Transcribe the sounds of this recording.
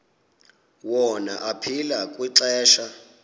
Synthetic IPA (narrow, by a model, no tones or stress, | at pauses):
wɔnaʔapʰilakʼwiǁɛːʃa